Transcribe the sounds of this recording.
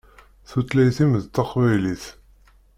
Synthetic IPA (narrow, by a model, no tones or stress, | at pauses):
θut̪læjθiməðt̪ːɑqvæjliθ